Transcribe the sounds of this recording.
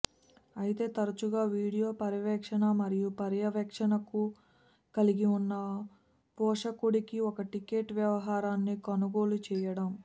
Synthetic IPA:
ɐjit̪e̞ːt̪ɐɾɐt͡ʃuɡaːʋiːɽijo̞ːpɐɾijɐʋɛːkʂɐnɐmɐɾijupɐɾjɐʋɛkʂɐnɐku | kɐliɡiunːɐ | pɔːʂɐkuɽikiɔkɐʈike̞ːʈʋjɐʋɐɦaːɾaːnːikɐnuɡo̞ːlut͡ʃɛːjɐɽɐm

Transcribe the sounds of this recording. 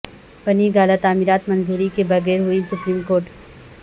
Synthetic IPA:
pɐniɡaːlat̪aːmiɾaːt̪mɐnzuːɾikebɐɣɛːɾɦʊisʊpɾiːmkoːɾʈ

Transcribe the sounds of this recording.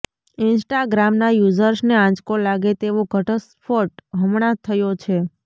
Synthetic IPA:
ɪnsʈaɡɾamnajuzəɾsneãd͡ʒkolaɡet̪eʋoɡʱəʈəspʰoʈɦəmɳ̃at̪ʰəjot͡ʃʰe

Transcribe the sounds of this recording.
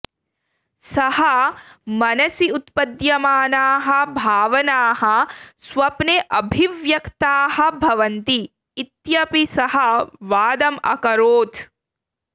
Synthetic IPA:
sɐhɐmɐnɐsiut̪pɐd̪jɐmaːnaːɦɐ̆bʱaːʋɐnaːɦɐ̆sʋɐpneʔɐbʱiʋjɐkt̪aːhɐ̆bʱɐʋɐnt̪iː | t̪jɐpisɐɦɐʋaːd̪ɐmɐ̰kɐɾoːt̪ʰ

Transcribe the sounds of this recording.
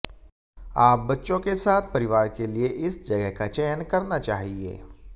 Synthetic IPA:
aːp̚bɐtːʃõkesaːt̪̚ʰpɐɾɪʋaːɾkelieʔɪsd͡ʒɐɡəɦkat͡ʃɛjənkɐɾnat͡ʃaːɦiḛː

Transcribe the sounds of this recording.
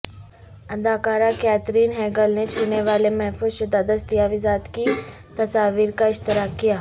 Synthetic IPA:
əd̪aːkaːɾakɛːt̪ɾiːnɦɛːɡəlnet͡ʃʰuneʋaːlemɛɦfuːzʃɐd̪aːd̪əst̪ijaːʋɪzaːd̪ki | t̪ɐsaːʋiːɾkaɪʃt̪ɪɾaːkːijaː

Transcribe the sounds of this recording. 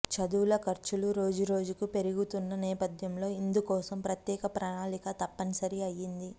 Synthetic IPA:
t͡ʃɐd̪uːlɐkɐɾt͡ʃuluɾo̞ːd͡ʒuɾo̞ːd͡ʒukupe̞ɾuɡut̪unːɐnɛːpɐd̪jɐmlo̞ːind̪ukɔːsɐmpɾɐt̪jɛːkɐpɾɐnaːlikɐt̪ɐpːɐnisɐɾiɐjːind̪i

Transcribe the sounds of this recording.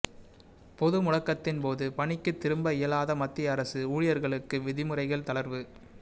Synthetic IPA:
pɔðɯmʊɻɐkːɐt̪ːɪnpoːðɯpɐɳɪkːɯt̪ːɪɾɯmbɐɪjɐlaːðɐmɐt̪ːɪɐɾɐsɯuːɻɪjɐɾɣɐɭɯkːɯʋɪðɪmɯrɐɪɣɐɭt̪ɐɭɐɾʋɯ

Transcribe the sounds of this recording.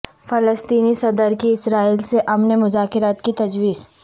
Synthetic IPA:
fɐləst̪iːnisɐd̪əɾkiɪsɾaːiːlseʔɐmnemʊzaːkɪɾaːt̪kit̪ɐd͡ʒʋiːz̥

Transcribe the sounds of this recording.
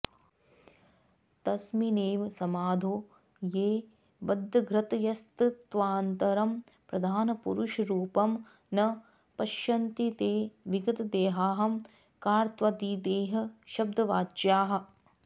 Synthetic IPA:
t̪ɐsmineːʋsɐmaːd̪ʱoː | jeː | ʋɐd̪ʱːɐɡɾɐt̪jɐst̪t̪ʋaːnt̪ɐɾɐm | pɾɐd̪ʱaːnɐpuɾuʃɐɾuːpɐm | nɐ | pɐʃjɐnt̪it̪eːʋiɡɐt̪ɐd̪eːɦaːɦɐm | kaːɾt̪ʋɐd̪iːd̪eːɦɐ̆ʃɐb̚d̪ʱɐʋaːd͡ʒjaːɦɐ̆

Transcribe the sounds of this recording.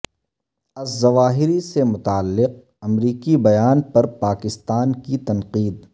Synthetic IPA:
ɐzːɐʋaːɦɪɾisemʊt̪aːlːɪq̚ | ɐmɾiːkibɐjaːnpɐɾpaːkɪst̪aːnkit̪ɐnqiːd̪

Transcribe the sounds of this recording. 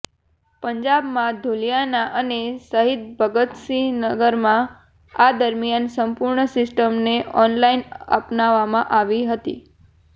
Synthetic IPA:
pəɲd͡ʒabmãd̪ʱulijanaʔənesəɦit̪̚bʱəɡət̪sinəɡəɾmã | ad̪əɾmijansəmpuɾɳəsɪsʈəmneʔɔnlainə̰pnaʋːamãʔaʋiɦət̪ḭ

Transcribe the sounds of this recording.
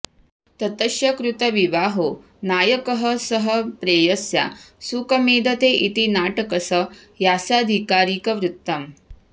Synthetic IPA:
t̪ɐt̪ɐʃjɐkɾut̪ɐʋiʋaːɦoː | naːjɐkɐɦɐsɐɦɐpɾeːjɐsja̰ːsukɐmeːd̪ʱɐt̪eːʔit̪inaːʈɐkɐsɐ | jaːsaːd̪ʱikaːɾiːkɐʋɾut̪ːɐm

